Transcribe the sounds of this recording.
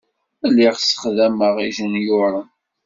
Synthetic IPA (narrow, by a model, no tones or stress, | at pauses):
ælːiʁsə̥χðæməʁiʒənjʊɾˤən